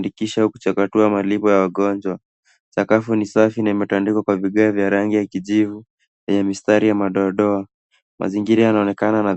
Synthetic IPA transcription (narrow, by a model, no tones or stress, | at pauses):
ndikiʃahukut͡ʃakatuamalipɔjawaɠɔnd͡ʒwa | t͡ʃakafunisafinaimɛtandikwakwaviɠaːvjaɾaŋɡijakiʄivu | vɛɲɛmistaɾijamaɗɔɗɔa | mʔa̰ziŋɡiɾajanaɔnɛkanana